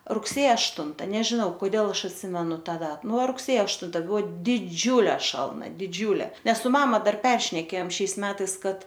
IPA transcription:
rʊkˈsʲeːjɛ ɐʃˈtʊntɐ nʲɛʒʲɪˈnɐʊ koːˈdʲeːlˠ ˈɐʃ ɐtʲˈsʲɪmʲɛnʊ ˈtɐ ˈdɐt ˈnʊ rʊkˈsʲeːjoː ɐʃˈtʊn ˈbuɔ dʲɪˈd͡ʒʲuːlʲɛ ˈʃɐlˠnɐ dʲɪˈd͡ʒʲuːlʲeː ˈnʲɛs sʊ ˈmɑːmɐ dɐr ˈpʲɛrʲʃʲnʲɛkʲeːjoːm ˈʃʲɛɪs ˈmʲæːtɐɪs ˈkɐt

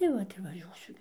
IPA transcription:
tɐɪ ˈʋɐt ɪr ʋɐˈʒʲuɔsʲʊ

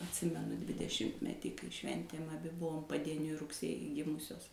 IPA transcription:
ɐtʲˈsʲɪmʲɛnʊ dʲʋʲɪdʲɛˈʃʲɪmʲtʲmʲɛtʲiː kɐɪ ˈʃʲʋʲɛnʲtʲeːm ɐˈbʲɪ ˈbʊʋoːm pɐdʲiɛˈnʲʊɪ rʊkˈsʲeːjɪ ˈɡʲɪmʊsʲoːs

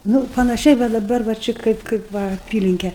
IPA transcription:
ˈnuː pɐnɐˈʃʲɛɪ ʋɐ dɐˈbɐr ʋɐ ˈt͡ʃʲɪ ˈkɐɪp kɐɪp ˈʋɐ ɐˈpʲiːlʲɪŋʲkʲɛ

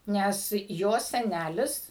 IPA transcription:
ˈnʲɛs ˈjoːs sʲɛˈnʲælʲɪs

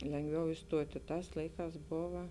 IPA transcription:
lʲɛŋɡˈʋʲɛʊ ɪsˈtuɔtʲɪ ˈtɑːs ˈlˠɐɪˌkɑːs ˈboːʋɐ

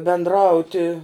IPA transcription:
bʲɛndˈrɐʊtʲɪ

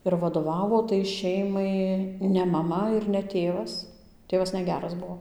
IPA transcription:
ɪr ʋɐˈdoːʋɐʋoː tɐɪ ˈʃʲɛɪmɐɪ nʲɛ mɐˈmɐ ɪr nʲɛ ˈtʲeːʋɐs ˈtʲeːʋɐs nʲɛˈɡʲæːrɐs ˈbuɔ

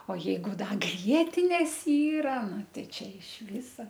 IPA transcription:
oː ˈjɛɪɡʊ ˈdɐ ˈɡrʲiɛtʲɪnʲeːs ˈiːrɐ ˈnʊ ˈtʲɛɪ ˈt͡ʃʲɛ ɪʃ ˈʋʲɪsɐ

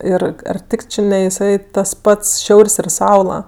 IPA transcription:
ˈɪr ɐr ˈtʲɪk ˈt͡ʃʲɪ nʲɛ ɪˈsɐɪ tɐs ˈpɐts ˈʃʲɛʊrʲsʲ ɪr ˈsɐʊlˠɐ

